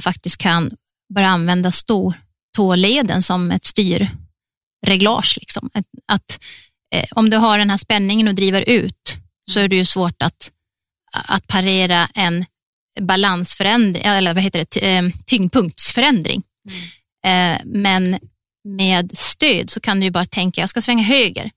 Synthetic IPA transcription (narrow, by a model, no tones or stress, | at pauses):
fak̚t̪ɪst̪̚kʰːan | bɑːɾjaanvɛnd̪ast̪uː | t̪ʰoːleːd̪ə̰nsɔmɛ̰t̪st̪yːɾ | ɾɛɡlɑ̰ːʂlɪksɔ̰mat̪ | ɔmd̪ɵɦaɖɛnɦæːʂpɛnːɪŋənɔd̪ɾiːvəɾʔʉ̟ːt̪ | sɔæɖɛjɵsvoːʈat̪ | a̰t̪̚pʰaɾeːɾaʔɛn | balansfœɾɛnd̪ɾɪ̰ʔɛlːəɾvahɦeːt̪əɖɛt̪ʰʏŋpʰɵŋk̚t̪sfœɾɛnd̪ɾɪ̰ŋ | mɛn | meːd̪st̪øːd̪sɔkʰand̪ɵjɵbɑːɾat̪ʰɛŋkajɑːskasvɛŋːaɦøːɡə̰ɾ